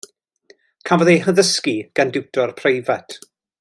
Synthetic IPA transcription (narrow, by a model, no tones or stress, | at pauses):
kʰavɔðejhəðəskiɡ̥andɪwtɔrpʰrejvatʰ